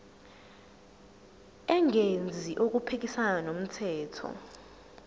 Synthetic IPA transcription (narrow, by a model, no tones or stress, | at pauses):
ɛŋend͡zʱiʔok̬upʰek̬isananom̩tʰɛːtʰɔ̰